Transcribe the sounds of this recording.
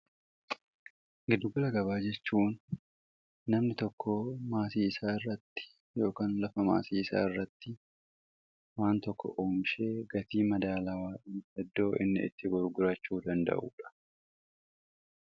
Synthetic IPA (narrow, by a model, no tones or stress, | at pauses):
ɡɪd̪ːʊɡʊlɐɡɐβaːd͡ʒɛt͡ʃːuːn | ɐmnɪt̪ɔkːoːmaːsiːsaːɪrːɐt̪ːɪ̥ | jo̞ːkaːnlɐfɐma̰ːsiːsa̰ːɪrːɐt̪ːɪ | waːnt̪ɔkːɔ̰ʔoːmɪʃe̞ːɡɐt̪iːmɐd̪aːlawaːʔiːɛd̪ːo̞ːʔɪnːɪ̰ɪ̰t̪ːɪɡɔɾɡʊɾɐt͡ʃːuːd̪ɐnd̪ɐ̰ʔṵːᶑɐ̥